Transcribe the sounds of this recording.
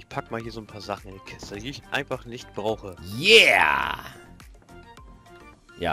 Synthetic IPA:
ɪçpʰakəmaːlhiːɐzoːnpʰaːɐzaχn̩ɪndiːkʰɪstədiːɪçʔa̰ɪnfaχnɪçt̚b̥ʁaʊxəjɛ | ja̰ː

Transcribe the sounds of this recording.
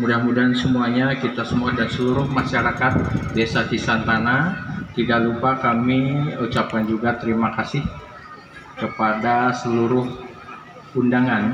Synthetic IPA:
mudahmudaɦnsəmuaɲakit̪asəmuadansəluɾʊhmaʃaɾakat̪̚desasisant̪anat̪idaʔlupakamiut͡ʃapand͡ʒuɡat̪əɾimakasɪh | kəpadasəluɾʊh | undaŋan

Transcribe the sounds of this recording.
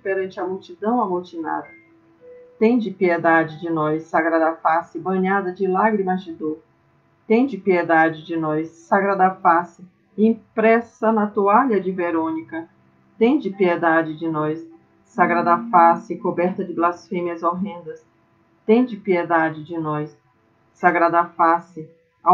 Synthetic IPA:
peɾɐ̃nt͡ʃɪɐmuwt͡ʃid̪ɐ̃w̃ɐmult͡ʃina̰d̪ɐ | t̪ẽj̃d͡ʒɪpied̪ad͡ʒɪd͡ʒɪnɔjsːaɡɾad̪ɐfasɪbɐ̃ɲad̪ɐd͡ʒɪlaɡɾimɐzd͡ʒɪd̪oɾ | t̪ẽd͡ʒɪpied̪ad͡ʒɪd͡ʒɪnɔjsːaɡɾad̪ɐfasɪ | ĩpɾɛsɐnɐt̪uaʎɐd͡ʒɪveɾõnikɐ | t̪ẽj̃d͡ʒɪpied̪ad͡ʒɪd͡ʒɪnɔjsː | aɡɾad̪afasɪkobɛɾt̪ɐd͡ʒɪblasfẽmiɐzoɦẽnd̪ɐs | t̪ẽj̃d͡ʒɪpied̪ad͡ʒɪd͡ʒɪnɔjsː | aɡɾad̪ɐfasɪ

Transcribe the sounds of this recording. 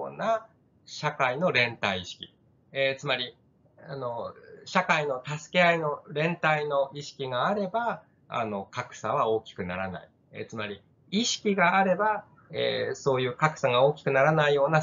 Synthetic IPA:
na | ɕakaino̞ɾẽ̞nt̪aiːɕi̥kʲḭ | et͡sɨmaɾʲi | ano̞ɕakaino̞t̪asɨ̥ke̞aino̞ɾẽ̞nt̪aino̞ʔiɕi̥kʲiɡaːɾe̞ba | a̰no̞kakɯ̟̥saβ̞ao̞ːkʲi̥kɯ̟naɾana̰i | ḛt͡sɨmaɾʲi | iɕi̥kʲiɡaːɾe̞ba | ḛso̞ːjɯ̟ːkakɯ̟̥saɡao̞ːkʲi̥kɯ̟naɾanaijo̞ːna

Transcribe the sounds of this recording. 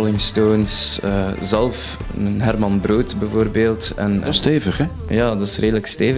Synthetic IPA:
lɪŋstoːnsəzɛlˠf | ənɦɛrmɑnbroːtbəvoːrbeːlˠtɛ̰nsteːvəχɛ | jaːdɑsrʔeːdələksteːvə

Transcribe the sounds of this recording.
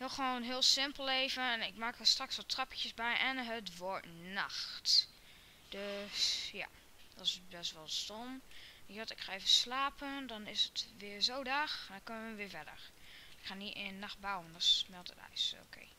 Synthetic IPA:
hɪəlˠxʋoːnɦɪəlˠsɪmpəlˠeːvənɛnɪk̚maːkəstraksʋɔtʰrɔpəjəsbɛjʔɛnɦətʋotna̰xt | d̥øsja̰ | d̥ɔsbɛstʋɔlˠstomɔtɪkχaːeːvəslaːpʰəndɔnɪsətʋɪəɹzoːdaːxndɔkønəəʋɪəfɛdə̰ɹɪkχaːniʔɪnnaxt̚bawəndɔsmɛlˠtətœ̰so̰kʰḛː

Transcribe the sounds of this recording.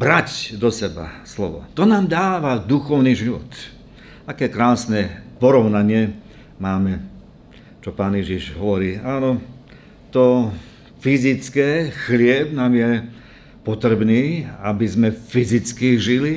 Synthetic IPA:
bɾacd̪ɔsɛba̰slɔ̰ʋɔ̰t̪ɔnaːmd̪aːʋad̪uxɔʊniʒiʋɔ̰t̪ | akɛːkɾaːsnɛpɔɾɔʊnaɲɪɛ | maːmɛ | t͡ʃɔpaːnjɛʒiʒɦɔʋɔɾiːaːnɔ | t̪ɔ | fizit͡skɛːxlɪɛbnaːmjɛ | pɔt̪ɾɛbniːabizmɛfizit͡skiʒili

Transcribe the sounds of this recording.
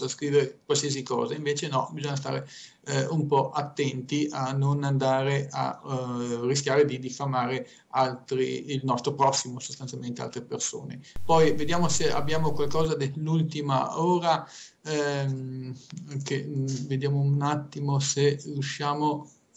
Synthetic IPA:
askɾiːveɾekwalsiːasikɔ̰ːzaiɱveːt͡ʃenɔbizoɲːas̬t̪a̰ːɾe | ɛumpɔʔat̪ːɛnt̪ianːonand̪aːɾeʔa̰ | ris̬kʲjaːɾed̪id̪ifamaːɾe | alt̪ɾiːlnɔst̪ɾopɾɔsːimosost̪ant̪jalment̪ea̰lt̪ɾeperso̰ːnḛpɔjved̪jaːmosea̰bːjaːmokwalkɔːzad̪elːult̪ima̰oːɾa | m | keved̪jaːmounat̪ːimoserjuʃːaːmo

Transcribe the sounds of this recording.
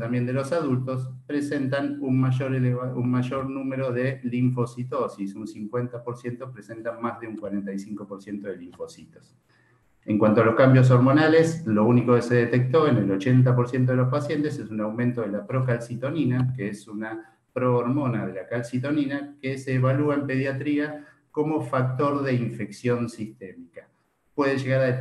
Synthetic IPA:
t̪ambje̞nd̪elo̞saðult̪o̞spɾe̞se̞nt̪anunmaʒoɾeleβaunmaʒo̞ɾnumeɾo̞ðe̞liɱfo̞sit̪o̞sisunsiŋkwe̞nt̪apo̞ɾsje̞nt̪opɾese̞nt̪amazðeuŋkwaɾent̪ajsiŋko̞po̞ɾsje̞nt̪o̞ðeliɱfo̞sit̪o̥s | e̞ŋkwant̪oaloskambjo̞s̬o̞ɾmo̞nale̞slo̞uniko̞kese̞ðet̪ek̚t̪o̞enelo̞t͡ʃe̞nt̪̬apoɾsje̞nt̪o̞ðelospasje̞nt̪e̞sesunawment̪oðelapɾokalsit̪o̞ninakeesuna | pɾo̞ːɾmo̞naðe̞lakalsit̪̬o̞ninakeseːβaluaempe̞ð̞jat̪ɾia | ko̞mo̞fak̚t̪o̞ɾðe̞iɱfe̞ksjo̞nsist̪emika | pwe̞ðeʒeɣaɾa

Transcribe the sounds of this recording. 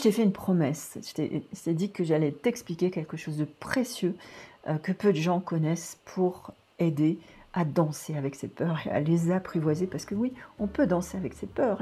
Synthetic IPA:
t̪ɛfɛynpχɔmɛsə̥t̪ɛ̰ʒə̥t̪ɛd̪ikəʒalɛt̪ɛksplikʲekʲɛlkəʃozd̪əpχesjøkəpød̪əʒɑ̃kɔnɛspʰuʁ | ed̪ead̪ɑ̃seavɛksepœʁea̰lezapχivwazepaʁsə̥kəwiɔ̃pød̪ɑ̃seavɛksepœʁ

